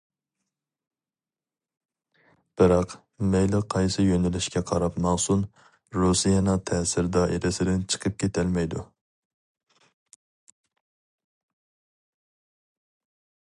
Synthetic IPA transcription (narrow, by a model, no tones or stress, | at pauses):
b̥ɪɾɑq | mejlɪqʰɑjsɨjønɪlɪʃkʲɛqʰɑɾɑpmɑŋsun | ɾusijɑnɑt̪ʰɛːsɪɾd̪ɑʔeɾɪsɪd̪ɪnt͡ʃʰə̥qʰəp̚kʲʰet̪ʰælmɛjd̪u